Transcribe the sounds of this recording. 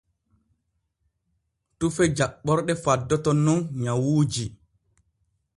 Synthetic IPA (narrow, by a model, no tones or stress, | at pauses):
tufɛd͡ʒaɓːɔɾɗɛfadːɔtɔnunɲawuːd͡ʒi